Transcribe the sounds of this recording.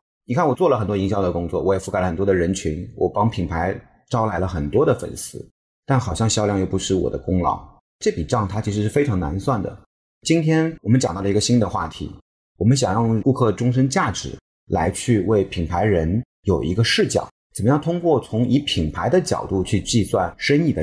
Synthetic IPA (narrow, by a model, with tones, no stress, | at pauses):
ni˨kʰa˥˩nwɔ˨˩t͡swɔ˥˩lə˩xə˨˩nt̪wɔ˥i˧˥ŋɕjɑ˥ʊd̪ə˩kʊ˥ŋt͡swɔ˥˩wɔ˧˥jɛ˨˩fu˥ka˧˥lə˧xə˨˩nt̪wɔ˥d̪ə˨˩ɻə˧˥nt͡ɕʰy˧˥nwɔ̰˨˩pɑ˥ŋpʰi˨˩ŋpʰa˧˥ɪ | ʈ͡ʂɑ˥ʊla˧˥ɪlə˧xə˨˩nt̪wɔ˥d̪ə˨fə̰˨˩nsɹ̩˥ | t̪a˥˩nxɑ˨˩ʊɕjɑ˥˧ŋɕjɑ˥ʊljɑ˥˧ŋjo˥˩ʊpu˧˥ʂɻ̩˥˩wɔ̰˨˩d̪ə̰˦kʊ˥ŋlɑ̰˧˥ʊ | ʈ͡ʂɤ˥˩pi˨˩ʈ͡ʂɑ˥˩ŋt̪ʰa˥t͡ɕʰi˧˥ʂɻ̩˧˥ʂɻ̩˥˩fe˥ɪʈ͡ʂʰɑ˧˥ŋna̰˧˥nswa˥˩nd̪ə̰˩ | t͡ɕi˥nt̪ʰjɛ˥nwɔ˨˩mə˦nt͡ɕɑ˨˩ŋt̪ɑ˥˩lə˩i˧˥ɡə˧ɕi˥nd̪ə˨xwa̰˥˩t̪ʰḭ˧˥ | wɔ˨˩mə˦nɕ̬jɑ˨˩ŋjɑ˥˩ŋku˥˧kʰɤ˥˩ʈ͡ʂʊ˥ŋʂ̬ə˥nt͡ɕja˥˩ʈ͡ʂɻ̩˧˩˥ | la̰˧˥ɪt͡ɕʰy˥˧we˥˩ɪpʰi˨˩ŋpʰa˧˥ɪɻə˧˥n | jo˨˩ʊʔḭ˧˥ɡə˧ʂɻ̩˥˩t͡ɕjɑ̰˨˩˦t͡sə˨˩nmə˦jɑ˥˩ʊt̪ʰʊ˥ŋkwɔ˥˩t͡sʰʊ˧˥ŋi˧˥pʰi˨˩ŋpʰa˧˥ɪd̪ə˧t͡ɕjɑ̰˨˩ʊt̪u˥˧t͡ɕʰy˥˧t͡ɕi˥˧swa˥˩nʂə˥ni˥˩d̪ə˩